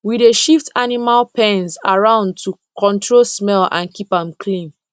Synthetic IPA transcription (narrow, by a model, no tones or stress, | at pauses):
wideʃiftʰanimalpɛ̃nzaɹãʊ̃nd̚tʰukʰɔ̃ntʰɹolsmɛlã̰nkipãmkʰlĩn